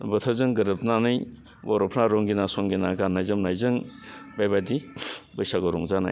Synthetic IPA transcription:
bɯtʰazɯŋɡɯɾɯpʰnanɯj | wɔɾɔpʰnaɾɔŋɡinasɔŋɡinaɡanːajzɯmnajzɯŋbajbadibɯjsaɡɔɾɔŋzana̰j

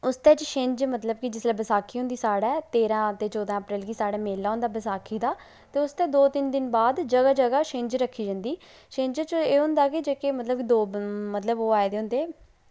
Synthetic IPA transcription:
ʊst̪ɛːt͡ʃʃɪ̃ɲd͡ʒmət̪ləb̚kɪd͡ʒɪslaːbəsaːkʰiːɦʊ̃nd̪iːsaːɽaːt̪eːɾãːt̪eːt͡ʃɔːd̪ãːəpɾeːlkisaːɽaːmeːlːaːɦʊ̃nd̪aːbəsaːkʰiːd̪aː | t̪eːʊst̪ɛːd̪oːt̪ɪnd̪ɪnbaːd̪d͡ʒəɡaːd͡ʒəɡaːʃɪ̃ɲd͡ʒɾəkʰːiːd͡ʒə̃ːnd̪iː | ʃɪ̃ɲd͡ʒat͡ʃeːɦʊ̃nd̪aːkɪd͡ʒeːkemət̪ləb̚kid̪oːmət̪ləboːaːed̪eːɦʊ̃nd̪eː

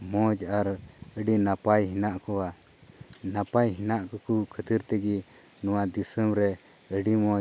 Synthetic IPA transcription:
mɔd͡ʒaɾəɖinapajɦinaʔkɔwa | napajɦinaʔkɔkukʰət̪iɾt̪ɛɡi | nɔwad̪isəmɾɛ | əɖimɔ̃

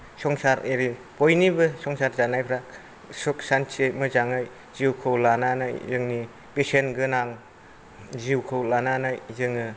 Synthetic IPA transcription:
sɔŋsaɾeɾi | pojnibɯsɔŋsaɾzanajpʰɾak̚ | sɔksansʰemɯzaŋɯj | ziwkʰɯwlanana̰jzɯŋni | pesenɡɯnaŋ | ziwkʰɯwlananajzɯŋɯ

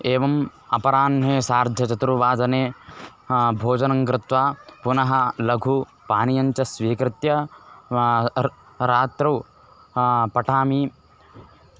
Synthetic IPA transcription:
eːʋɐm | ɐpɐɾaːnɦeːsaːɾd̪ʱjɐt͡ʃɐt̪ɾuʋaːd͡ʒɐneː | bʱoːd͡ʒɐnɐŋkɾɪt̪ʋaːpunɐɦɐlɐɡʱu | paːnijɐɲt͡ʃɐsʋiːkɾɪt̪jɐ | ɾaːt̪ɾɐw | pɐʈʰaːmi

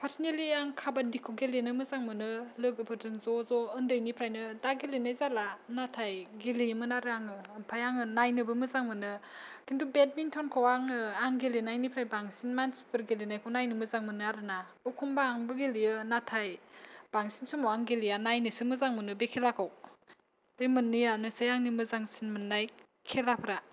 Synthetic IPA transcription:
pʰaɾsneliaŋkʰabadikʰoɡelenɯmɯzaŋmɯnɯlɯɡɯpʰɯɾzɯŋzɔzɔɯndɯjnipʰɾajnɯdaɡelinajzalanatʰajɡelimɯnaɾɯaŋɯːmpʰajaŋɯnajnɯbɯmɯzaŋmɯnɯkʰintubed̚mintʰɔnkʰawaŋɯaŋɡelinajnipʰɾajbaŋsinmanspɯɾɡelinajkʰɯwnajnɯmɯzaŋmɯnɯaɾɯna | ɔkʰumbaːŋbɯɡelijɯnatʰajb̥aŋsinsumɔaŋɡelijanajnɯsɯmɯzaŋmɯnɯbekʰelakʰaw | b̥emɯnːɯjanɯsajaŋnimɯzaŋsinmɯnːaj | kʰelapʰɾa

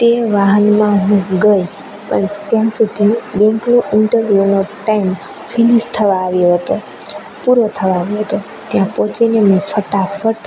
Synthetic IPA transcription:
t̪eʋaɦənmãɦũɡəj | pəɳt̪jãsud̪ʱibɛ̃ŋknũʔɪɳʈəɾʋjunoʈaim | finist̪ʰəʋãːʋjoɦət̪o | puɾot̪ʰəʋãːʋjoɦət̪o | t̪jãpɔ̃t͡ʃinemefəʈafʰəʈ

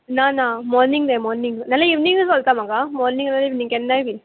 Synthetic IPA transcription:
nãːnãːmɔːɾnɪŋɡd̪emɔːɾnɪŋɡnɐlːaɪʋnɪŋɡɯsɔlt̪ãːmaːɡaːmɔːɾnɪ̃ŋnɐlːaɪʋnɪŋɡɛnːaːjʋi

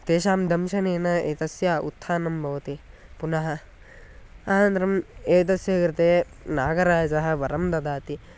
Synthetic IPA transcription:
t̪eːʃaːmd̪ɐmʃɐneːnɐeːt̪ɐsjaːṵt̪ʰːaːnɐmbʱɐʋɐt̪i | punɐɦɐ̆ | aːnɐnt̪ɾɐmeːt̪̬ɐsjɐkɾɪt̪eː | naːɡɐɾaːd͡ʒɐɦɐ̆ʋɐɾɐmd̪ɐd̪aːt̪i

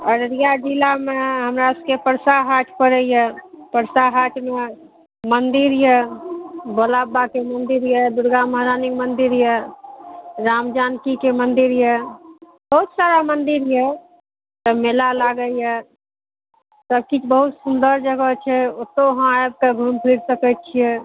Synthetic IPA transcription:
əɾɾijad͡ʒilameɦəmɾaʊskepəɾsaɦaʈʰpəɾəjɛpəɾsaɦaʈʰme | mənd̪iɾjɛ | boːlaːbakemənd̪iɾjɛd̪ʊɾɡaməɦɾaːnikmənd̪iɾjə | ɾaːmd͡ʒaːnkikemənd̪iɾjɛ | bəɦut̪saːɾamənd̪iɾjɛ | t̪ɔmelalaɡəjɛ | səb̚kit͡ʃbəɦut̪sund̪əɾd͡ʒəɡət͡ʃʰɛot̪oɦãəb̚kaɡʱumpʰiɾsəkətt͡ʃʰijɛ

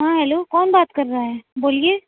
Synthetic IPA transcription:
ɦãːɦɛːloːkɔːnbaːt̪kɐɾːaaɦɛːboːlieː

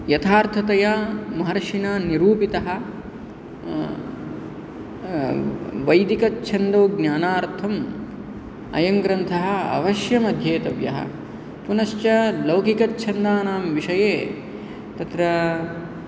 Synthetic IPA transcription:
jɐt̪ʰaːɾt̪ʰɐt̪ɐjamɐɦɐɾɐʂinaːniɾuːpit̪ɐɦɐ̆ | ʋɐjd̪ikɐtːt͡ʃʰɐnd̪oːɡnjaːnaːɾt̪ʰɐm | ɐ̰jɐŋɡɾɐnt̪ʰɐɦɐɐ̰ʋɐʃjɐmɐd̪ʱjeːt̪ɐʋjɐ̰ɦɐ̰ | punɐʃt͡ʃɐlɐwkikɐt͡ʃʰɐnd̪aːnaːmʋiʂɐjeː | t̪ɐt̪ɾɐ

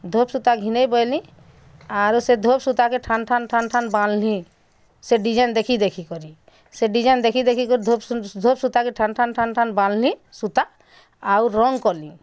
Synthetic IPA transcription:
d̪ʱopsut̪aɡʱinejbɔjlĩ | aɾsed̪ʱopsut̪akeʈʰanʈʰanʈʰanʈʰanballĩ | seɖid͡ʒajnd̪ekʰid̪ekʰikɔɾi | seɖid͡ʒajnd̪ekʰid̪ekʰikɔɾid̪ʱopd̪ʱopsut̪akeʈʰanʈʰanʈʰanʈʰanballĩsut̪a | awɾɔŋɡkɔlḭ̃

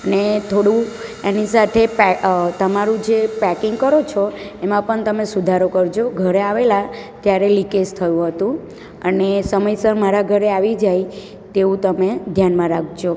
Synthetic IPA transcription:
ənet̪ʰoɽũenisat̪ʰepɛt̪əmaɾũd͡ʒepɛkɪŋɡkəɾot͡ʃʰoemãpəɳt̪əmesud̪ʱaɾokəɾd͡ʒoɡʱəɾeaʋelat̪jaɾelikest̪ʰəjũɦət̪ũ | ənesəməjsəɾmaɾaɡʱəɾeaʋid͡ʒaj | t̪eũt̪əmed̪ʱjanmãɾak̚ʰd͡ʒo

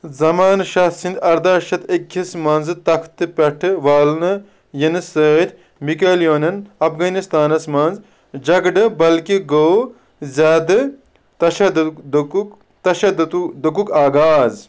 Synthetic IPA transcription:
zɐmaːnʃɐsind̪ɐɾd̪aːʃɐt̪ekʲʰːismɐnzɨt̪ɐkʰt̪ɨpʲɐʈʰɨʋaːlnɨ | jɐnɨsəːt̪ʰ | mikɐljoːnɐnɐpʰɡɐnist̪aːnɐsmɐnz | d͡ʒɐɡɖɨbɐlkiɡoː | zʲad̪ɨ | t̪ɐʃɐd̪d̪ | t̪ɐʃɐd̪ut̪d̪ukukaːɡaːz

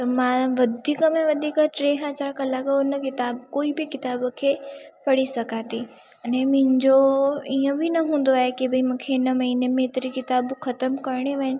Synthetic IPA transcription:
t̪ɐmãːʋɐd̪ʱiːkəmẽʋɐd̪ʱiːkəʈɾeːɦaːt͡ɕaɾkalaɡɪnəkɪt̪aːbkoːibɪkɪt̪aːbkʰepɐɽisɐɡãt̪ʰi | ɐnẽmʊ̃ɦɪ̃ɲd͡ʑoiə̃bʱinɐɦũːn̆d̪oaːɦekibʱɐimũːkʰeɪnəmɐɦiːnemẽɪt̪ɾikɪt̪aːbxɐt̪əmkɐɾɽ̃eʋɐɦɪnɪ

